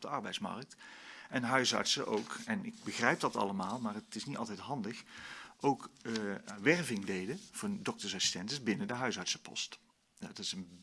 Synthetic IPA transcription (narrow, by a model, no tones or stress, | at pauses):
dəɑɹbɛjtsmɑ̰ɹk̚tɛnɦœɥsɑ̰ɹtsəʔowkɛnɪɡ̚bəχrɛjp̚dɑtɑ̰ləmaːlˠmaːrətɪsnitɑ̰lˠtɛjtɦɑndəχʔowk | ʋɛrvɪŋdejdəv̥ʊːdɔk̚təɹsɑsi̥stɛntəsbɪnədəɦœɥsɑɹtsə̥pɔ̰st | nadtɪsən